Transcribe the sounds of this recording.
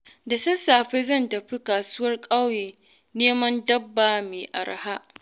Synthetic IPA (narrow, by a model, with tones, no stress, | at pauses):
da˨sɐ˦saː˨ɸe˦zɐ˦˨ntɐ˨ɸi˦kaː˨su˦wɐ˦rkʼa˦wjeː˨ | neː˦mɐ˦ndɐ˦bːaː˨meː˨ʔa̰˨ɾa̰˨ha˦ʔ